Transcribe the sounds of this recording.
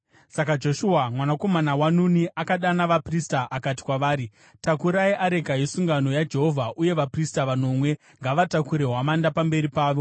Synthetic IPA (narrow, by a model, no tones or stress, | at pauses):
sakad͡ʒo̞ʃuamwanako̞manawanuniʔakaɗanaʋapristaʔakati̥kwaʋaːɾi | takuɾaiʔaɾe̞ɡʱajesuŋɡano̞jad͡ʒe̞ɦo̞vʱaʔuje̞ʋapristaʋano̞mwe̞ | ŋɡaʋatakuɾe̞ɦwamandapambe̞ɾipaːʋo̞